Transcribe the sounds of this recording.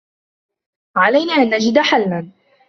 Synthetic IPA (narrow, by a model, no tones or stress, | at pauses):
ʕalajnaːʔanːad͡ʒɪd̪ħalman